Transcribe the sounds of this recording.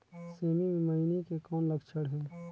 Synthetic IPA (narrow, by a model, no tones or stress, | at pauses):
seːmimẽməinikekɔːnləɡt͡ʃʰəɽɦɛː